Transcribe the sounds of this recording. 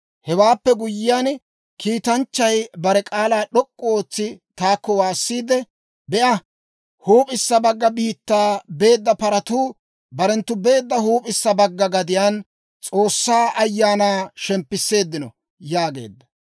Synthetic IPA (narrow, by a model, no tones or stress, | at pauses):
hɛwaːpːɛɡʊjːɪjan | kʰiːt̪ɐnt͡ʃːɐjbɐɾɛkʼaːlaːɗɔkʼːɔo̞ːt͡sːɪt̪aːkːɔwaːsːiːd̪ɛ | bɛʔɐ | huːpʼɪsːɐbɐɡːɐbiːt̪ːaːbe̞ːd̪ːɐpɐɾɐt̪uː | bɐɾɛnt̪ːʊbe̞ːd̪ːɐhuːpʼɪsːɐbɐɡːɐɡɐd̪ɪjaːn | t͡sʼo̞ːsːaːʔɐjːaːnaːʃɛmpːɪsːe̞ːd̪ːɪnɔ | jaːɡe̞̰ːd̪ːɐ̥